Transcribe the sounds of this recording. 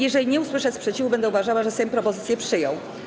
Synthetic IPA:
jɛʐɛlʲiɲɛuswɘʂɛspʂɛt͡ɕivubɛnd̪ɛuvaʐawaʐɛsɛmpɾɔpɔzɘt̪sʲjɛpʂɘjɔ̃w̃

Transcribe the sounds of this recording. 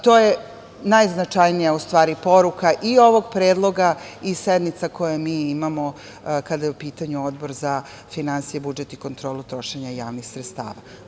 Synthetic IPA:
t̪oːje | najznat͡ʂajnijaust̪ʋaːɾipo̞ɾukaʔio̞ʋo̞ɡpɾeːd̪lˠo̞ɡaised̪nit̪sako̞jamiːimamo | kad̪ajeupiːt̪aɲuo̞d̪bo̞ɾza | finansijebud͡ʒet̪iko̞nt̪ɾoːlut̪ɾo̞ʃeɲajaːʋnixsɾet̪st̪a̰ːʋa̰

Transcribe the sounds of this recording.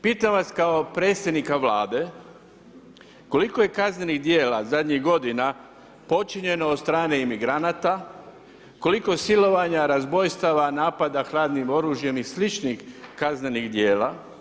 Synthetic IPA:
piːt̪amʋaskaopɾe̞ːt̪sed̪nikaʋlaːd̪e̞ | ko̞likoje̞kazneniɣd̪je̞ːlazad̪ɲiɣɡo̞d̪ina | po̞t͡ʃiɲe̞noːd̪st̪ɾaːneimiɡɾanaːt̪a | ko̞liko̞silo̞ʋaɲaɾazbo̞jst̪aʋanaːpad̪axlaːd̪nimo̞ɾuːʒje̞mislit͡ʃnixkazneniɣd̪je̞ːla̰

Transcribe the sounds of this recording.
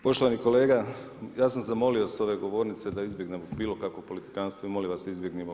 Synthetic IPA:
po̞ʃt̪oʋaniko̞le̞ːɡa | jaːsamzamo̞lio̞so̞ʋe̞ɡo̞ʋo̞ːɾnit̪se̞d̪aizbjeɡnemobiːlo̞kakʋopo̞lit̪i̥kaːnst̪ʋoimoliʋasd̪izbjeɡnemo

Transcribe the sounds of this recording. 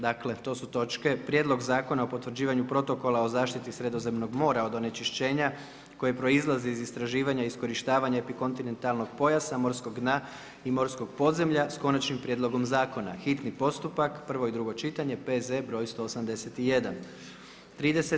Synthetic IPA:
d̪akle̞t̪o̞ːsut̪o̞t͡ʃke̞pɾjed̪lˠo̞ɡzaːko̞naopo̞t̪ʋɾd͡ʑiːʋaɲupɾo̞t̪o̞ko̞lao̞zaːʃt̪it̪isɾe̞d̪o̞ze̞mno̞ɡmo̞ːɾaod̪o̞ne̞t͡ʃiʃt͡ɕe̞ːɲa | ko̞jepɾoizlˠaziizist̪ɾaʒiːʋaɲaisko̞ɾiʃt̪aːʋaɲaepiko̞nt̪ine̞nt̪alˠno̞ɡpo̞jasamo̞ɾskoɡd̪na | imo̞ɾsko̞ɡ̚po̞d̪ze̞mʎasko̞nat͡ʃnimpɾʲjed̪lˠo̞ɡo̞mzaːko̞na̰xit̪nipo̞st̪upakpr̩ʋo̞id̪ɾuɡo̞t͡ʃit̪aɲe̞pezebɾo̞ːjst̪o̞ːsamd̪e̞set̪ijed̪an | t̪ɾiːd̪e̞se

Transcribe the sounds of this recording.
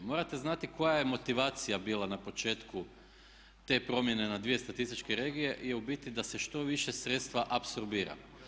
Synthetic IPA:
mo̞ːɾat̪e̞znat̪iko̞jaje̞mo̞t̪iʋaːt̪sijabiːlˠanapo̞t͡ʃe̞ːt̪ku | t̪e̞ːpɾo̞mje̞ne̞nad̪ʋije̞st̪at̪ist̪it͡ʃkeɾe̞ːɡije̞ʔjeubit̪id̪ase̞ʃt̪o̞ʋiʃe̞sɾet̪st̪ʋaʔapso̞ɾbiːɾa̰

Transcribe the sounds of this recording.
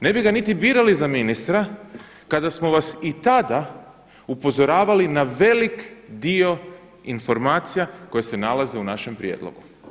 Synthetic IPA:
ne̞biɡanit̪ibiːɾalizaminist̪ɾa | kad̪asmo̞ʋasit̪ad̪a | upo̞zo̞ɾaːʋalinaʋe̞likd̪io̞ | info̞ɾmaːt̪sijako̞jese̞nalaze̞unaʃe̞mpɾjḛd̪lo̰ɡu

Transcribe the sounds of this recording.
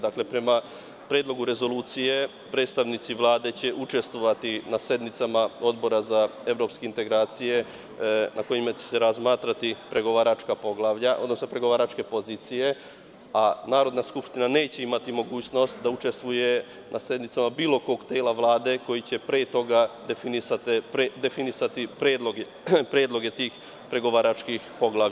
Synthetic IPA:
d̪akle̞pɾe̞ma | pɾeːd̪lˠo̞ɡuɾe̞zo̞luːt̪sije̞ | pɾe̞ːd̪st̪aʋnit̪siʋlˠaːd̪e̞t͡ɕe̞ʔut͡ʃe̞st̪ʋoʋat̪inase̞d̪nit̪samao̞d̪bo̞ɾazae̞ʋɾo̞pskeint̪e̞ɡɾaːt̪sije̞ | nʔako̞jimat͡ɕe̞̥se̞ɾazmaːt̪ɾat̪ipɾe̞ɡo̞ʋaːɾat͡ʃkapo̞ɡlˠaːʋʎaʔo̞d̪no̞snopɾe̞ɡo̞ʋaːɾat͡ʃke̞po̞ziːt̪sije̞ | anaːɾo̞d̪naskupʃt̪inane̞ːt͡ɕe̞imat̪imo̞ɡuːt͡ɕno̞st̪d̪aut͡ʃe̞st̪ʋuje̞ | nʔase̞d̪nit̪samabiːlˠo̞ko̞ːɡt̪eːlaʋlˠaːd̪e̞ko̞jit͡ɕe̞pɾeːt̪o̞ɡad̪efinisat̪epɾed̪e̞finisat̪ipɾeːd̪lˠoɡe | pɾeːd̪lˠo̞ɡe̞t̪iːx | pɾe̞ɡo̞ʋaɾat͡ʃkixpo̞ɡlˠa

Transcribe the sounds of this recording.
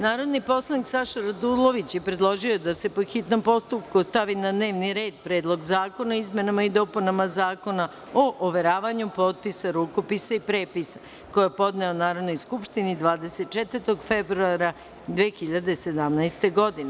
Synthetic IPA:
naːɾo̞d̪nipo̞slˠaniksaʃaɾad̪ulˠo̞ʋit͡ɕje̞pɾed̪lˠo̞ʒiod̪ase̞po̞xit̪no̞mpo̞st̪upkust̪aʋinad̪ne̞ːʋniɾe̞ːd̪pɾe̞ːd̪lˠo̞ɡzaːko̞naizmʲe̞namaid̪o̞punamazaːko̞na | oʔoʋeɾaːʋaɲupo̞ːt̪̚pisaɾuko̞pisaipɾeːpisḁ | ko̞jepo̞d̪neonaːɾo̞d̪no̞jskupʃt̪inid̪ʋaːd̪eset̪̚t͡ʃet̪vəɾt̪o̞ɡfebɾuaɾa | d̪ʋeːxiʎad̪ese̞d̪amnajst̪e̞ɡo̞d̪ine

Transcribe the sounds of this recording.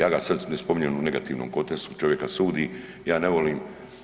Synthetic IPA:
jaːɡasad̪smnespomiɲenuneɡat̪iːʋnomko̞t̪est̪ut͡ʃo̞ʋje̞kasuːd̪i | jaːne̞ʋo̞liːm

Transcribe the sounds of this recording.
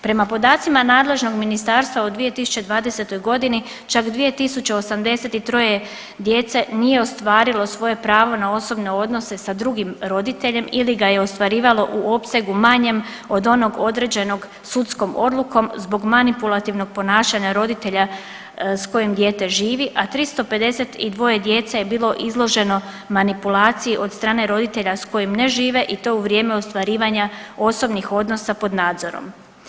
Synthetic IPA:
pɾe̞mapo̞d̪aːt̪simanaːd̪le̞ʒno̞ɡminist̪aːɾst̪ʋaud̪ʋije̞t̪isu̥t͡ʃe̞d̪ʋaːd̪e̞se̞t̪o̞jɡo̞d̪ini | t͡ʃakd̪ʋije̞t̪isut͡ɕeo̞samd̪e̞se̞t̪it̪ɾo̞je̞ | d̪je̞ːt̪se̞nije̞o̞st̪ʋaːɾilo̞sʋo̞je̞pɾaːʋo̞nao̞so̞bne̞o̞d̪no̞se̞sad̪ɾuɡimɾo̞d̪it̪e̞ʎe̞miliɡaje̞o̞st̪ʋaɾiːʋalo̞ʔuʔo̞pse̞ɡumaɲe̞m | o̞d̪o̞no̞ɡo̞d̪ɾed͡ʑeno̞ɡ | sut̪sko̞mo̞̰d̪lˠuko̞mzbo̞ɡmanipulˠat̪iʋno̞ɡ̚po̞naːʃaɲaɾo̞d̪it̪e̞ʎa | sko̞jimd̪je̞t̪e̞ʒiːʋiʔat̪ɾist̪o̞pe̞d̪e̞se̞t̪id̪ʋo̞je̞d̪je̞t̪saje̞biːlˠo̞ʔizlˠo̞ʒe̞no̞ | manipulaːt̪sijiʔo̞d̪st̪ɾaːne̞ɾo̞d̪it̪e̞ʎasko̞jimne̞ʒiːʋe̞ʔit̪o̞uʋɾje̞ːmeost̪ʋaɾiːʋaɲao̞so̞bnixo̞d̪no̞sapo̞d̪naːd̪zo̞ɾo̰m

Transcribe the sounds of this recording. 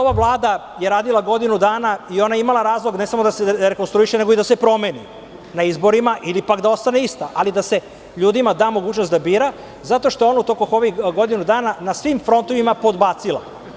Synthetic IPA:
oʋavlˠaːd̪ajeɾaːd̪ilˠaɡo̞d̪inud̪aːnaio̞najeimalaɾaːzlˠo̞ɡne̞samo̞d̪aseɾeko̞nst̪ɾuiʃene̞ɡo̞id̪ase̞pɾo̞meːnḭ | naizbo̞ɾimaʔilipakd̪ao̞st̪aneist̪aʔalid̪ase̞ | ʎuːd̪imad̪aːmo̞ɡuːt͡ʃnost̪d̪abiːɾa | zat̪o̞ʃt̪o̞jeo̞naut̪okoxoʋiɡo̞d̪inud̪aːnanasʋimfɾo̞nt̪oʋimapo̞d̪baːt̪silˠa̰

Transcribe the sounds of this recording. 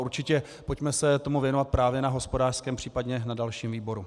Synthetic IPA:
uɾt͡ʃɪcɛ | po̞cmɛsɛt̪o̞muvjɛno̞vat̪̚pɾaːvjɛnaɦo̞spodaːr̥skɛːmpr̝̥iːpadɲɛnadalʃiːmviːbo̞ɾu

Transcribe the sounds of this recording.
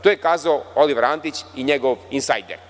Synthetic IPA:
t̪ojekaːzaooliʋɾant̪it͡ɕiɲeɡoʋinsa̰jd̪eɾ

